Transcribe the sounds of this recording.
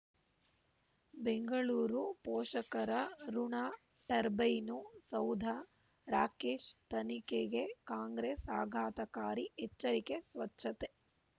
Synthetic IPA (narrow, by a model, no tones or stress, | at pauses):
beŋɡɐɭuːɾupɔːʂɐkɐɾɐɾuɳaː | ʈɐɾbɐjnusɐwd̪ʱa | ɾaːkeːʃt̪ɐnikeɡekaːŋɡɾeːsaːɡʱaːt̪ɐkaːɾiɛt͡ʃːɐɾikesʋɐtːʃʰɐt̪e